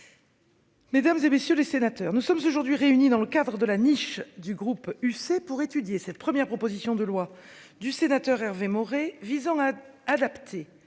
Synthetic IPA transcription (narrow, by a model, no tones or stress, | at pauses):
med̪amzemesjølesenat̪œʁnusɔmzoʒuʁd̪ɥiʁeynid̪ɑ̃ləkad̪ʁəd̪əlaniʃd̪yɡʁupysepuʁet̪yd̪jesɛt̪̚pχəmjɛʁpχɔpozisjɔ̃d̪əlwad̪ysenat̪œʁɛʁvemɔʁevizɑ̃aːd̪apt̪ʰe